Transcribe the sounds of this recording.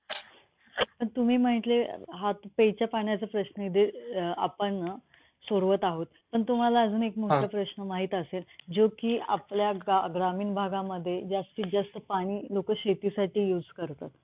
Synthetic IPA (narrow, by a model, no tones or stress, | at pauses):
pəɳt̪um̤iːməɳit̪leɦat̪pejt͡ɕjapaɳjat͡səpɾəɕnəid̪ʱea̰pəɳ | soɽʋət̪aɦot̪̚pəɳt̪um̤alaəd͡zuːnekmoʈjapɾəɕnəmaɦiːt̪əseld͡zokiːʔa̰pljaɡɾamiːnbʱaɡaməd̪ʱːjed͡zast̪id͡zəst̪əpaɽ̃iːlokəɕet̪isaʈiːjuːd͡zkəɾt̪at̪